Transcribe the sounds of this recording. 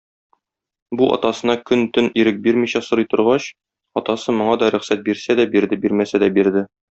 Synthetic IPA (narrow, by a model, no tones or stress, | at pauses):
buʔɒ̰t̪ɑsɤ̆nɑkɵnt̪ɵniɾɘk̚biɾmiɕæsŏɾɤjt̪ŏɾʁɑɕ | ɒt̪ɑsɤmŏɴɑd̪ɒɾɵ̆χsæt̪̚biɾsæd̪æbiɾd̪ɘbiɾmæsæd̪æbiɾd̪ɘ